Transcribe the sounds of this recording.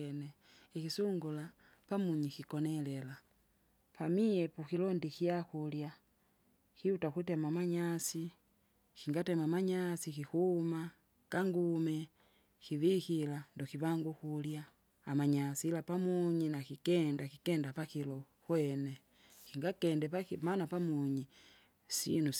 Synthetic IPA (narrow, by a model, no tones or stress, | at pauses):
ne | ixisuŋɡula | pamuɲixikonelela | pamijepuxilondixiaxulja | xiutaxutemamaɲasi | xiŋɡatemamaɲasixixuma | kaŋɡume | xiβixilandoxiβaŋɡuxuljaː | maɲasilapamuɲinakikendakikeːndapaxilo | xwene | xiŋɡakendepaimanapamuɲi | sḭnu